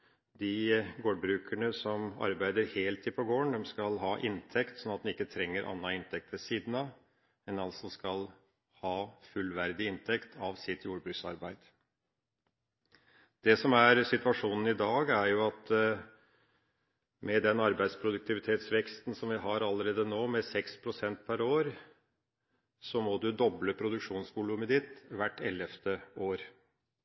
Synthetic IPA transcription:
d̪ɪɡoːɖbɾʉːkʰæɳəsɔmɑ̰ɾbæɪd̪əɾheːlt̪ʰːiːpʰɔɡoːəɳd̪ɛmskɑlɦɑːʔɪnt̪ʰɛkt̪sɔnːɑt̪̚d̪ɛnɪkːət̪ʰɾɛŋːəɾʔɑ̰nːɑɪnt̪ʰɛk̚t̪ʋɛsiːd̪n̩ɑ | ɛnɑlsɔskɑl | hɑːfʉlʋæɾd̪ɪɪnt̪ʰɛkt̪ʰɑʋsɪt̪ʰjuːɾbɾʉksɑ̰ɾbæɪd̪̥ | d̪̥ɛsɔmæɾsɪt̪ʋɑʂuːnn̩ɪd̪ɑːɡæɾjʊɑt̪ | mɛd̪ɛnɑɾbæɪd̪spʰɾʊd̪ʉk̚t̪ɪʋɪt̪ʰeːt̪sʋɛkst̪n̩sɔmʋɪɦɑɾɑlːəɾeːd̪ənoːmɛsɛkspʰɾʊsɛnt̪̚pʰæɾoːɾ | sɔmɔd̪ʉd̪ɔbləpʰɾʊd̪ʉkʂuːnsʋʊlʉməd̪ɪt̪ʋæʈːɛlːəft̪əoːɾ

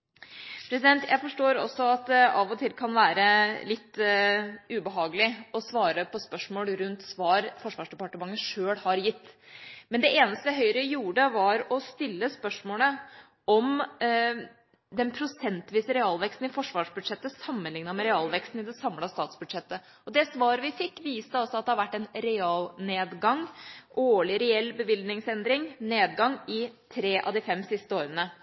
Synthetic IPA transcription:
pʰɾɛsɪd̪ɛnt̪ʰjæɪfɔʂʈoːɾɔ̰sːɔɑt̪̚d̪ɛɑʋɔt̪ʰɪlkʰɑnʋæːɾəlɪt̪ː | ʉbəɦɑːɡəlɪɔsʋɑːɾəpʰɔspœʂmoːlɾʉnt̪sʋɑːɾfɔʂʋɑːʂɖ̪ɛpɑʈəmɑŋːəʂøːlhɑɾjɪt̪ːmɛnd̪ɛʔeːnəst̪əjæɦœʏɾəjuːɖəʋɑɾɔst̪ɪlːəspœʂmoːlə | ɔm | d̪ɛnpʰɾʊsɛnt̪ʋiːsəɾɛɑːlʋɛkst̪n̩ɪfɔʂʋɑːʂbʉd̪ʂɛt̪ːəsɑmːənlɪŋnɑmɛɾɛɑːlʋɛkst̪n̩ɪd̪ɛsɑmːlɑst̪ɑːt̪sbʉd̪ʂɛt̪ːə | ɔd̪ɛsʋɑːɾəʋɪfɪkːʋiːst̪əɔsːɔɑt̪̚d̪ɛhɑɾʋæʈːɛnɾɛɑːlneːd̪ɡɑŋʔoːɭɪɾɛɛlːbəʋɪld̪nɪŋsɛnd̪ɾɪŋneːd̪ɡɑŋːɪt̪ʰɾeːʔɑ̰d̪ɪfɛmːsɪst̪əoːɾənə

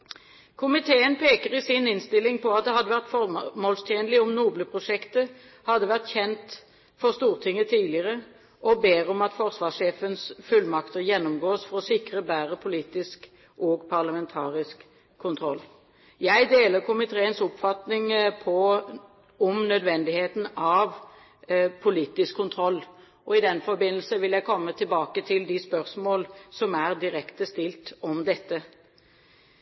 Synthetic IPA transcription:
kʰʊmɪt̪ʰeːənpʰeːkəʁɪsɪnɪnst̪ɪlːɪŋpɔɑt̪̚d̪ɛhɑd̪əʋæʁt̪fɔmoːlst̪ʰjeːnəlɪɔmnuːbləpʰʁʊʂɛkt̪ə | hɑd̪əʋæʁt̪çɛnt̪ | fɔʁst̪uːʁt̪ʰɪŋːət̪ʰiːlɪəʁə | ʔɔbeːʁɔmɑt̪fɔʁsʋɑːseːfənsfʉlmɑkt̪əʁjɛnːʊmɡoːsfɔʁɔsɪkʁəbæːʁəpʰʊliːt̪ɪsk | ʔɔːɡpʰɑʁlɑmɛnt̪ʰɑːʁɪskʰː | ʊnt̪ʰɾɔlː | jæɪd̪eːləɾkʰʊmɪt̪ʰeːənsʊpfɑt̪nɪŋpʰɔ | ɔmnœd̪ʋɛnd̪ɪheːt̪n̩ɑʋ | pʰʊliːt̪ɪskʰːʊnt̪ʰɾɔlː | ɔɪd̪ɛnfɔɾbɪnːəl̩səʋɪljæɪkʰɔmːət̪ʰɪlbɑːkət̪ʰɪld̪ɪspœɾsmoːlsɔmæʁd̪ɪɾɛkt̪əst̪ɪlt̪ɔmd̪ɛt̪ːə

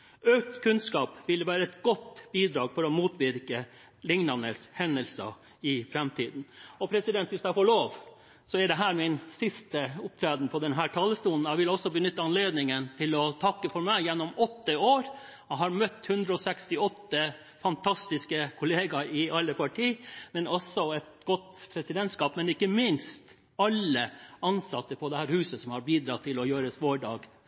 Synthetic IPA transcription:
œk̚t̪kʰʉnskɑːpʋɪlʋæːɾəɛt̪ɡ̥ɔt̪ːbiːd̪ɾɑːɡfɔɾɔmuːt̪ʋɪɾkə | lɪŋnɑnəshɛnːəlsɑ̰ | ɪfɾɛmt̪ʰiːd̪n̩ɔpʰɾɛsɪd̪ɛnt̪ʋɪsd̪ææfoːɭoːʋ | sɔɛɖɛɦæːɾmɪnsɪst̪əʊp̚t̪ʰɾæːd̪n̩pʰɔd̪ɛnɦæːʈʰɑːləst̪uːln̩jæɪʋɪlɔsːɔbənʏt̪ːəɑnleːd̪nɪŋənt̪ʰɪlɔt̪ʰɑkːəfɔɾmæɪjɛnːɔmɔt̪ːəoːɾ | ɛhɑɾmœt̪ːhʉnd̪ɾəɔsɛkst̪ɪɔt̪ːə | fɑnt̪ʰɑst̪ɪskəkʰʊleːɡɑɪʔɑlːəpʰɑʈʰiːmɛnɔsːɔɛt̪ɡɔt̪ːpʰɾɛsɪd̪ɛnt̪skɑːpmɛnɪkːəmɪnst̪ | ɑlːəɑnsɑt̪ːəpʰɔd̪ɛhæːɾhʉːsəsɔmhɑɾbiːd̪ɾɑt̪ʰːɪlɔjøːɾəsʋoːɖɑ̰ːɡ

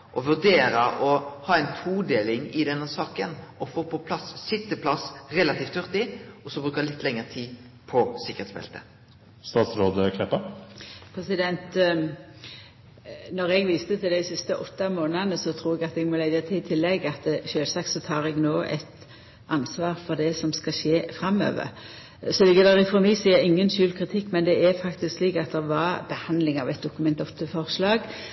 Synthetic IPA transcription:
ʔɔʋʉʁd̪eːɾəʔɔhɑːɛɪnt̪ʰuːd̪eːlɪŋɪd̪ɛnːəsɑːkənɔfoːpʰɔpʰlɑssɪt̪ːəpʰlɑsʁɛlɑt̪iːft̪ːœʁt̪ɪɔsɔbʁʉːkəlɪt̪ːlɛŋːəʁt̪ʰiː | pʰɔsɪkːəʁeːt̪sbɛ̰lt̪ə | st̪ɑːt̪sɾoːd̪əkʰlɛpːəpʰɾɛsɪd̪ɛnt̪ | nɔɾɛɡʋiːst̪ət̪ʰɪld̪æɪsɪst̪əʔɔt̪ːɑmoːnənəsɔt̪ʰɾuːʁɛɡɑt̪ɛɡmɔlæɪət̪ʰɪɪt̪ʰɪlːɛɡɑt̪ʃøːlsɑk̚t̪sɔt̪ʰɑːɾɛɡnoːʔɛ̰t̪ | ʔɑnsʋɑːʁfɔd̪ɛsɔmskɑʃeːfɾɑmø̰ːʋə̰ɾ | sɔlɪɡəd̪ɛɾɪfɔmiːsiːəɾɪŋːənʃʉːlkʰʁɪt̪ʰɪkːmɛnd̪ɛæfɑkt̪ɪsksliːkɑt̪̚d̪ɛʋɑɾbəhɑnd̪lɪŋɑʋɛt̪d̪ʊkʉmɛnt̪ɔt̪ːəfɔʁʂlɑːɡ

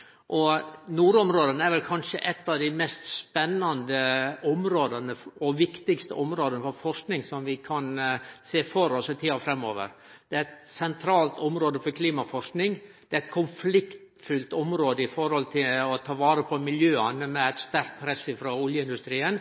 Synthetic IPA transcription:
ʔɔnuːɾɔmɾoːd̪ənəæɾʋɛlkʰɑnʂəʔɛt̪ːɑʋd̪æɪmɛst̪spɛnːɑnd̪əɔmɾoːd̪ɑnəɔʋɪkt̪ɪkst̪ə̰ʔɔmɾoːd̪ənəfɔɾfɔʂknɪŋsɔmʋɪkʰɑnseːfɔɾɔsɪt̪ʰiːɑfɾɛmːoːʋə̰ɾ | d̪̥ɛæɾɛt̪sɛnt̪ʰɾɑːlt̪ɔmɾoːd̪əfɔɾkʰliːmɑfɔʂknɪŋd̪̥ɛæɾæɪt̪̚kʰʊnflɪkt̪ | fʉlt̪ɔmɾoːd̪əɪfɔɾhɔlt̪ʰɪlɔt̪ʰɑːʋɑːɾəpʰɔmɪljøːɑnəmɛæɪt̪st̪æɾk̪̚pʰɾɛsːɪfɾoːʊljəɪnd̪ʉst̪ɾiːən

